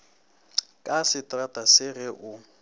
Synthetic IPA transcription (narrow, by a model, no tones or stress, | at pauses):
kʼasɪtʼratʼasɪɣɛʔʊ